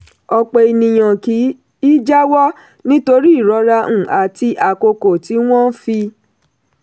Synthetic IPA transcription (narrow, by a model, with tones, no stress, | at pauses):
ɔ˧k͡pe˧i˨nĩ˨j̃ã˨ki˨˦ | i˦d͡ʒa˦wɔ˦ | nĩ˦to˧ɾi˦i˦˨ɾɔ˨˧˦ɾa˧ũ˦˨ʔa˨ti˧ʔa˨ko˧ko˨ti˨˦w̃ɔ̃˦fi˧